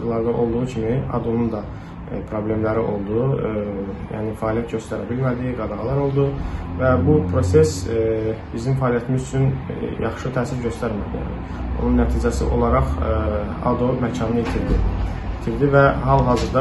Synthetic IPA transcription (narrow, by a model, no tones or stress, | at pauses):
ɾlˠɑɾd̪ɑʔo̞lˠd̪uʁucʰimiɑ̰d̪o̞nund̪ɑ | pʰɾo̞blʲe̞mlæɾiʔo̞̰lˠd̪u | jæ̰ːnifæːlijæt̪̚ɟø̞st̪æɾæ̰bilmæd̪iɡɑd̪ɑʁɑlˠɑɾo̞lˠd̪uvæbupʰɾo̞se̞s | bizimfæːlijæt̪ʰimizyt͡ʃʰynjʔɑ̰χʃɯt̪ʰæːsiɾɟø̞st̪æɾmæd̪iæ̰nḭ | o̰nunːæt̪ʰiːd͡ʒæsḭʔo̞̰lˠɑɾɑχ | ɑ̰d̪omæcʰɑnɯit̪ʰiɾd̪i | it̪ʰiɾd̪ivæɦɑlˠɦɑːzɯɾd̪ɑ